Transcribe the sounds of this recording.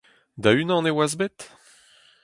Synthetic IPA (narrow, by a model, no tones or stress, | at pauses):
d̪aynɑ̃newazbet̪